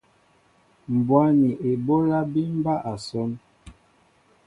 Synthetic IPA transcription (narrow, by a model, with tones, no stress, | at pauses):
m̩˨bwa˦ni˨ʔe˨bo˦la˦bi˦m˦ba˦ʔa˨sɔ˦n